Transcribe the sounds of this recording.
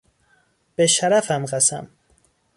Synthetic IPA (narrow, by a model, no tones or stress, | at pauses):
b̥eʃæɾæfæmɢæsæ̰m